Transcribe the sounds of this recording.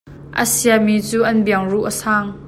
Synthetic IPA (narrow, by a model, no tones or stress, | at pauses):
ʔə̰siamiːt͡suːʔɐnbiəŋruʔəsaːŋ